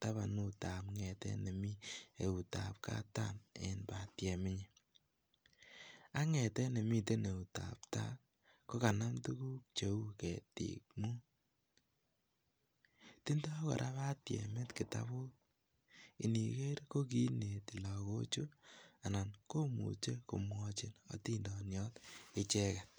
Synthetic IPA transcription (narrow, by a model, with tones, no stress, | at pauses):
ta˦βa˨nu˨ta˨pŋɛ˨tɛ̰˦ne˨mi˦e˨u˨ta̰˨p̚ka̰˦ta̰˦˨nḛ˨nba˨tjɛ˨mɪ˦ɲe˦ | a˦ŋɛ˨tɛ˦ne˨mi˦t̬e˦ne˨u˨ta̰˨pta˦ | ko˦ka˨na˦mtu˦ku˦k̚t͡ʃe˨u˦kɛ˨tḭ˨k̚mu˦ | ti˦nda˦kɔ̰˨ɾʔa˦βa˦tjɛ̰˨me˦tki˨ta̰˦βʊ˦ | ḭ˨ni˨ke˦ɾko˦k̬i˦ne˨ti˨la˨ko̰˦t͡ʃu˦a˨na˨nko˦mṵ˨t͡ʃe˦ko˨mwɔ˧t͡ʃi˨nɔ̰˨˦ti˦ndɔ˨njɔ˦tɪ˦t͡ʃɛ˦ka˨t̚